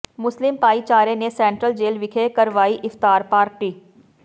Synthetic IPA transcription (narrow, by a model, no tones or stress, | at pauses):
mʊslɪmpaːit͡ʃaːɾenesɛ̃ːɳʈɾəld͡ʒeːlʋɪkʰekəɾʋaːiʔɪft̪aːɾpaːɾʈiː